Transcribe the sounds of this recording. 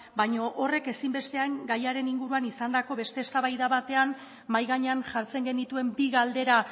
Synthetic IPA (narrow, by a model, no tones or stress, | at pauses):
bajɲo̞ʔore̞ke̞simbe̞st̪e̞aŋɡajaɾe̞niŋɡuɾuanisand̪ako̞βe̞st̪e̞ːst̪aβajðaβat̪e̞an | majɣaɲeanʝaɾt͡se̞ŋɡe̞nit̪ue̞mbiɣald̪e̞ɾa